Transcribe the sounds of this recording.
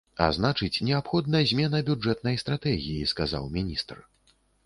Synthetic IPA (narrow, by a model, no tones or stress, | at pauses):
a̰znat͡ʂɨt͡sʲnʲɛapxɔd̪̚nɐjɐzʲmʲɛnɐbʲud͡ʐɛt̪̚nɐjst̪ɾat̪ɛɣʲijiskaza̰wmʲinʲist̪r